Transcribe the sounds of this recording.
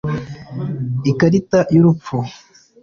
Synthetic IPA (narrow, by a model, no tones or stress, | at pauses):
ikaɾitajuɾupp͡fu